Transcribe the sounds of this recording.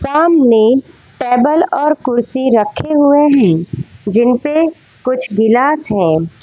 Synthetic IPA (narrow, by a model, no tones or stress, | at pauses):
saːmne | ʈɛːbəlɔːɾkʊɾsiɾɐkʰːeɦʊeɦɛ̃ːd͡ʒɪnpe | kʊt͡ʃʰɡɪlaːsɦɛ̃ː